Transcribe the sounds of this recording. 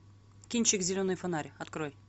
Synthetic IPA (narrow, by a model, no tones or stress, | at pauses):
kʲinʲt͡ɕɪkzʲɪlʲonɨjfɐnaɾʲɐt̪kroj